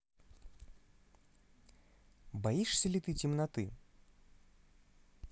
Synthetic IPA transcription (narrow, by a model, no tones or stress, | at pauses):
baiʂsʲɐlʲit̪ɨtʲɪmnɐt̪ɨ